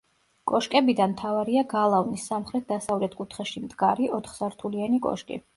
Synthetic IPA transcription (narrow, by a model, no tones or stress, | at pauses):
kʼɔʃkʼɛbid̪anmt̪ʰavaɾiaɡalˠavnisːamχɾɛt̪̚d̪asavlɛt̪ʰkʼut̪ʰχɛʃimd̪ɡaɾiʔɔt̪ʰχsaɾt̪ʰulianikʼɔ̰ʃkʼḭ